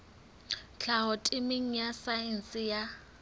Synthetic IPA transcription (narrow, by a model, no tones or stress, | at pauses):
t͡ɬʰaɦɔtʼɪmɪŋ̩jasaɛn̩sɪja